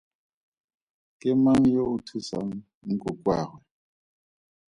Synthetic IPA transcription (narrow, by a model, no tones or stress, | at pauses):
kʼɪmaŋ̩joʊtʰusa̰ŋ̩ | ŋ̩kʼʊkʼwa̰ːrwɛ